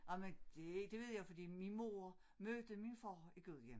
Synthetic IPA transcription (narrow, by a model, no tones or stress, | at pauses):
ʔɑmend̥e̝d̥e̝ʋe̝ð̞̰ˠjɑ̈ɪfɒ̽d̥ḭːminmo̝ːɐ | mød̥əminfɑʊiɡ̥øð̰ˠjem